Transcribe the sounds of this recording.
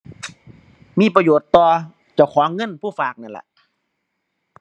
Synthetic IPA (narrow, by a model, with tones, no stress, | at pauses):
miː˧˥˨pa˧joː˨˩t̪ːɔː˧˩ | t͡ɕa˧˩˨wkʰɔː˨˦ŋːɤ˧˥˨npʰuː˧˥˩faː˨˩k̚na˧˩nla̰˨˩ʔ